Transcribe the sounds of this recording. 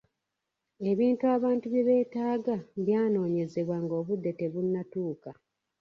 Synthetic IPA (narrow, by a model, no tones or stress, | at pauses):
e̞βiːntuaːβaːntuβjeβe̞ːtaːɡaβjaːno̞ːɲe̞ze̞βwaŋɡo̞ːβudːe̞te̞βunːatuːka